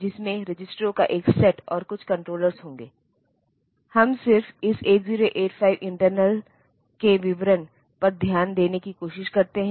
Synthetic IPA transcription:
d͡ʒɪsmẽɾɪd͡ʒɪsʈɾõkaʔeːksɛʈɔːɾkʊt͡ʃʰkɐ̃ɳʈɾoːləɾzɦõːŋɡeː | hɐmsɪɾfɪseːʈziːɾoʔeːʈpʰaːɪʋʔɪ̃ɳʈəɾnəl | keʋɪʋɾən | pɐɾd̪ʱjaːnd̪eːnekikoːʃɪʃkɐɾt̪eɦɛ̃

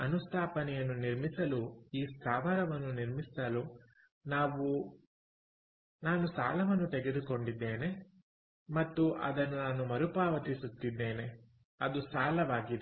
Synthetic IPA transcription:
ɐnust̪ʰaːpɐnɛjɐnːuniɾmisɐluiːst̪ʰaːʋaːɾɐʋɐnːuniɾmist̪ɐlu | naːʋu | naːnusa̰ːlɐʋɐnːut̪eɡed̪uko̞ɳɖid̪ːeːne̞ | mɐt̪ːuʔɐ̰d̪ɐnːunaːnumɐɾupaːʋɐt̪isut̪ːid̪ːe̞ːne̞ | ɐd̪usaːlɐʋaːɡid̪e

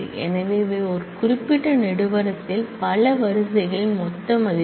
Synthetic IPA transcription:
ʔɛ̰nɐʋeːʋeːɔɾɯkʊɾɪpːɪʈːɐnɛɽɯʋɐɾɐt̪ːɪlpɐlɐʋɐɾɯsɐɪɣɐɭɪnmɔt̪ːɐmɐðɪ

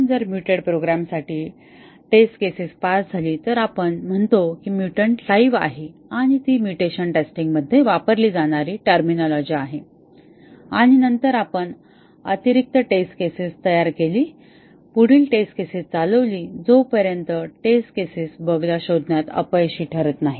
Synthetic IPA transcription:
nd͡zəɾmjuʈəɽpɾoɡɾamsaʈiː | ʈesʈkesispasd͡zʱaliːt̪əɾapəɳm̤əɳt̪okiːmjuʈəɳɖlaiʋa̰ɦeaɽ̃it̪iːmjuʈeɕənʈesʈĩŋɡməd̪ʱːjeʋapəɾliːd͡zaɽ̃aɾiːʈəɾminɔlɔd͡ʑiːaɦe | aɽ̃inənt̪əɾapəɳ | ə̰t̪iɾik̚t̪əʈesʈkesist̪əjaɾkeliː | puɽ̤iːlʈesʈkesist͡saləʋliːd͡zopəɾjənt̪əʈesʈ̚kesisbəɡljaɕod̪ʱnjat̪ə̰pəjɕiːʈʰəɾət̪naɦi

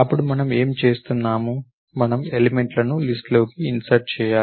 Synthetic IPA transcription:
ɐpːuɽumɐnɐme̞ːmt͡ʃe̞ːst̪unːaːmu | mɐnɐmeleme̞ɳʈlɐnulisʈlo̞ːkiːnsɐɾʈ̚t͡ʃɛːjaː

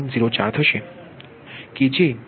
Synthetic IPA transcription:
nziɾot͡ɕaɾd̪ʰʱɔʃe | kid͡ʑin

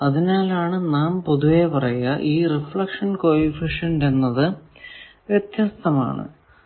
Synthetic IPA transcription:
ɐðinaːlaːɳɨnaːmpo̞ðuʋe̞pɐrɐjɐʔiːrifɭɐkʂɐnkoːjifiʂɐnde̞nːɐðɨ | ʋjet̪jast̪ʰɐma̰ːɳɨ̰

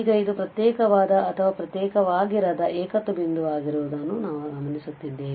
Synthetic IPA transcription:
ɡɐid̪upɾɐt̪jɛːkɐʋaːd̪ɐːt̪ʰɐʋaːpɾɐt̪jɛːkɐʋaːɡiɾɐd̪ɐʔɛːkɐt̪ːubind̪uʋaːɡiɾuːd̪ɐnːunaːʋuɡɐmɐnisut̪ːid̪ːeː

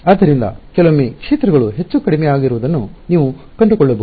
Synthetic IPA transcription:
aːd̪ːɐɾind̪ɐ̰kɛlomːeːkʂɛːt̪ɾɐɡɐɭuɦe̞t͡ʃːukɐɽimɛjaːɡiɾuʋud̪ɐnːuniːʋu | kɐɳɖukɔɭːɐbɐ

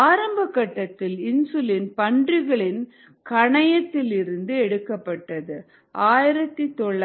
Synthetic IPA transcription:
aːɾɐmbɐkːɐʈːɐt̪ːɪlɪnsɯlɪnpɐɳdrɪɣɐɭɪn | kɐɳɐjɐt̪ːɪlɪɾɯnd̪ɯɛɽɯkːɐpːɐʈːɐðɯ | ʔaːjɪɾɐt̪ːit̪ɔɭː

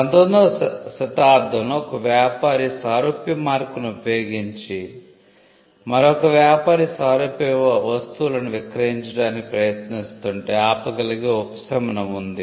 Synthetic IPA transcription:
ɐnd̪ɐnd̪oːsɐt̪aːɾd̪ʱɐmluɔkɐʋjaːpaːɾisaːɾoːpjɐmaːɾkunuupjoːɡiɲt͡ʃi | mɐɾoɔkɐʋjaːpaːɾisaːɾoːpjɛʋɐʋɐst̪uulɐnuʋikɾɐɦiɲt͡ʃɐɽaːnikipɾɐjɐt̪nist̪uɳʈe̞ːaːpɐɡɐliɡeupɐ̥sɐmɐnɐmund̪i

